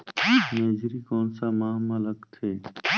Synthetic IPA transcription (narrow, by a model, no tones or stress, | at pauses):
meːd͡ʒɾikɔːnsamaːmaləɡt̪ʰeː